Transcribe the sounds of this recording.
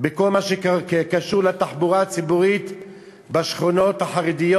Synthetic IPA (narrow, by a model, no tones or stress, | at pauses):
beko̞lmaʃekakekaʃuʁlat̪aħbuʁaːt͡sibuʁit̪ | baʃχono̞t̪haħaʁid̪ijo